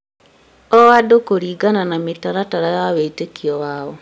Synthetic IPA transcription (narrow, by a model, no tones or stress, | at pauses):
ɔwadokoɾiːɡananametaɾataɾajaweitekiɔwaːɔ